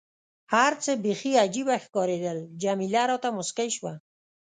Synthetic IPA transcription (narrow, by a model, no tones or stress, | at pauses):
haɾt͡səbexiad͡ʒibaxkɑɾed̪əld͡ʒamilaɾɔt̪amʊskajʃwa